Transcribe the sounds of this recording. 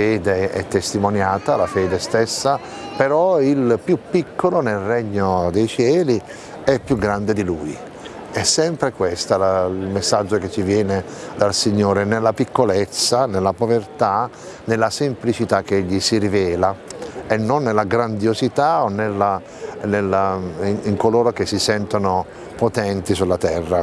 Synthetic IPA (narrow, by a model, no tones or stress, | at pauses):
ɛːd̪eɛ̰t̪ːest̪imonjaːt̪alafɛːd̪est̪esːa | peɾɔilpjupːikːolonelrɛɲːod̪ɛjt͡ʃɛːli | ɛpːjuɡːɾand̪ed̪iluːj | ɛsːɛmpɾekwest̪alailmesːad͡ʒːoket͡ʃːivjɛːne | d̪alsiɲːoːɾenelːapikːolet̪sːanelːapovert̪a | nelːasemplit͡ʃit̪akːeeʎːisiɾivɛːlaenːonːelːaɡɾand̪jozit̪aonːelːa | nelːaiŋkoloːɾokesisɛnt̪ono | pot̪ɛnt̪isulːat̪ɛrːa